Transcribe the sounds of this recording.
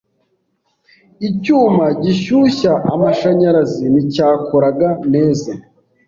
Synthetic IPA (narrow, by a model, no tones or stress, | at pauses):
icuːmaɟiʃuɕaʔamaʃaɲaɾazinicaːkoɾaɡaneːza